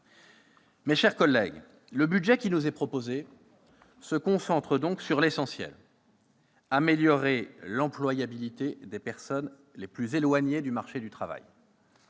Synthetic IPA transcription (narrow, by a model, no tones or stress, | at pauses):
mɛʃɛʁkɔlːɛ̰ɡ | ləbyd̪ʒɛkʲinuzɛpχɔpoze | səkɔ̃sɑ̃t̪χəd̪ɔ̃ksyʁlesɑ̃sjɛ̰l | ameljɔʁelɑ̃plwajabilit̪ed̪epɛʁsɔn | leplyzelwaɲed̪ymaʁʃed̪yt̪χava̰j